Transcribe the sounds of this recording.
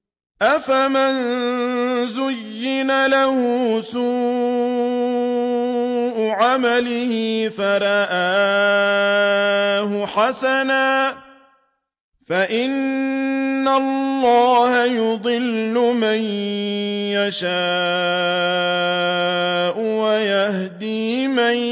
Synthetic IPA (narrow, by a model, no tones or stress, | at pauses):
ʔafaman | zʊjːɪnalahʊsuː | ʔʊʕamalɪhɪfaɾˤɑʔaː | ɦʊħasanaː | faʔɪnː | alːɑːhajʊd̪ˤɨlːʊman | jaʃaː | ʔʊwajah | d̪iː | man